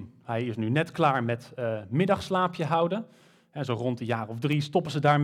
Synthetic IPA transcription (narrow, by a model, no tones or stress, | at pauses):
ɦɛjɪsnynɛtklaːɹmɛtːmɪdɑχslaːpʰjəɦʌwdə | ɦɛzowrɔntdəjaːrɔvdristɔpəzədaːɹm